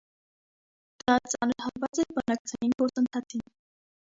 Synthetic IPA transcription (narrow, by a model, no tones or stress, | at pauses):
d̪̥ɑt͡sɑnəɾɦɑlvɑt͡sɛɾbənɑk̚t͡sʰɑjinɡɔɾt͡sənt̪ʰɑt͡sʰin